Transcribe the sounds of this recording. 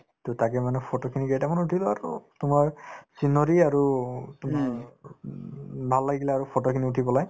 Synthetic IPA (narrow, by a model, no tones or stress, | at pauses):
totakɛmanɛpʰotokʰiniɡejtamanutʰilɔaɹṵtumaɹsinɔɹiaɹutuma | bʱalːaɡɡilaːɹupʰɔtokʰiniutʰibɔlaj